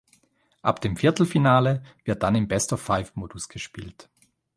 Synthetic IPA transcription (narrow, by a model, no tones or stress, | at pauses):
ʔapd̥eːmfɪɐtl̩finaːləvɪɐt̚d̥anɪmbɛstɔfaɪfmoːdʊsɡ̥əʃpḭːlt